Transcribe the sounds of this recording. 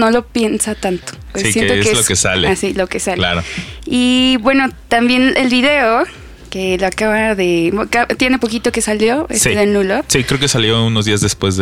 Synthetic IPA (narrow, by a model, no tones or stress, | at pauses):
no̞lo̞pje̞nsat̪ant̪o̥esijnet̪oekelokesa̰leasilo̞ke̞salla̰ɾoiβwe̞no̞t̪ambje̞nelβiðe̞o | ke̞loakaβaðe̞kat̪je̞ne̞po̞kit̪o̞ke̞saljo̞esiðenulosikɾeokesaljo̞unozðiazðespwe̞zðe